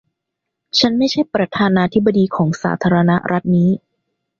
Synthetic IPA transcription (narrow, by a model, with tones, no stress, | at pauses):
t͡ɕʰa˦˥nma˥˩jt͡ɕʰa˥˩jpɾa˧t̪ʰaː˧naː˧t̪ʰi˦˥bːa˧diː˧kʰɔː˩˦ŋsa̰ː˩˦t̪ʰaː˧ɾa˧na˦˥ɾʔa˦˥t̪̚niː˦˥